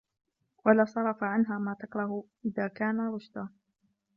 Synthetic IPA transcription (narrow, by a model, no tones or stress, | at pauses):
walaːsˤɑɾˤɑfaʕanɦaːmaːt̪ɑkɾˤɑhʔɪðaːkaːnaɾˤʊʃd̪aː